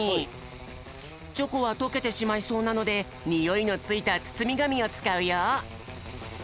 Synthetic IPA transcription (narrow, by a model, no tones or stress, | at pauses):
i | t͡ɕo̞koβat̪o̞ke̞t̪e̞ɕimaiso̞ːnano̞d̪e̞ | ɲʲijo̞ino̞t͡sɨit̪at͡sɨ̥t͡sɨmʲiɡamʲio̞t͡sɨ̥kaɯ̟ja